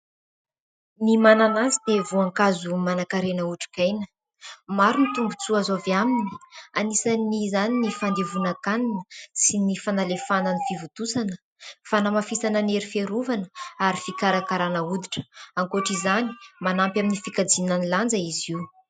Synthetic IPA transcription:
nimananazid̪evuaŋkazumanakaɾenəuʈ͡ʂi̥kajnə | maɾunit̪umbut͡suazoviamini̥anisanizaninifand̪evunakaninəsinifanalefananifivut̪usanə | fanamafisanəneɾifeɾuvanəaɾifikaɾakaɾanəud̪iʈ͡ʂə̥aŋkoʈ͡ʂizani̥manampjaminifikad͡zinaniland͡zəizi

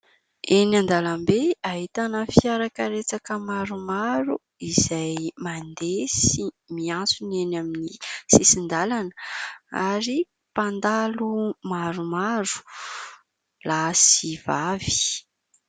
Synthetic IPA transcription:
enand̪alambeaɦit̪anəfiaɾakəɾet͡sakəmaɾumaɾu | iz̥ajmand̪esi | miant͡sunenaminisisind̪alanəaɾi | pand̪alumaɾumaɾu̥ | lasivavi̥

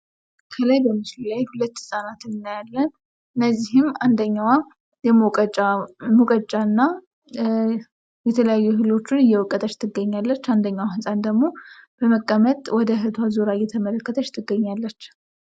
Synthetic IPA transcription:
kʰəlajbəmːɨsilajhulət̪ːsʼanat̪ɨnɨnːajalːən | ɨnːəzːihɨmand̪əɲːaw | jɛəamukʼət͡ʃʼanːa | jɛt̪ʰələjajːuɦɨlo̞t͡ʃːɪnɨjːɛwɔkʼːət̪ʼət͡ʃːt̪ʰːɨɡəɲːalːət͡ʃːand̪əɲːawhɨsʼand̪əɡmo̞b̥əməkʼːəmət̪ʼwɔd̪əɦɨt̪ʰwazuɾajːɛt̪ʰəmələkːət̪ʰət͡ʃːt̪ʰːɨɡːəɲːalːət͡ʃː

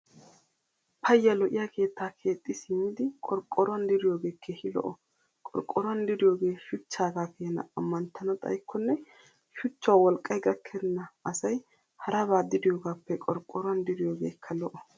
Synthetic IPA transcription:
pʰɐjːɐlɔʔɪjakʰe̞ːt̪ʰːaːkʰe̞ːt̪ʼːɪsɪmːɪd̪ɪkʼɔɾkʼːɔɾwɐnd̪ɪɾɪjo̞ːɡe̞ːkʰːeːhɪlɔ̰ʔɔ | kʼɔ̰ɾkʼːɔɾwɐnd̪ɪd̪ɪjo̞ːɡe̞ːʃʊt͡ʃːaːɡaːkʰeːnɐ̰ɐmːɐnt̪ʰːɐnɐt̪ʼɐ̰jkʰːɔnːɛ | ʃʊt͡ʃːwawɔlkʼːɐjɡɐkʰːɛd̪ɪnːɐɐsɐj | hɐɾɐbaːd̪ɪd̪ɪjoːɡaːpːɛkʼɔɾkʼːɔɾwɐnd̪ɪɾɪjoːɡeːkʰːɐlɔʔɔ

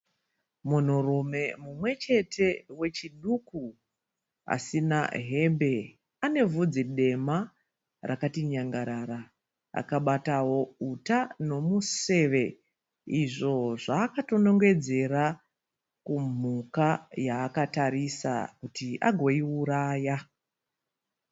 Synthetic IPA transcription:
mun̤urume̞mumwe̞t͡ʃe̞tʰe̞we̞t͡ʃiɗuku | a̰sinaɦe̞mbe̞ | ane̞vud͡ziɗe̞ma | rʔakatiɲaŋɡaɾaːɾa | a̰kaɓatawo̞utano̞muse̞ːʋe̞ | iʐo̞ʐaːkato̞no̞ŋɡe̞d͡ze̞ra | kum̤ukajaːkataɾisa̰kutiʔa̰ɡʱoiuɾaːja

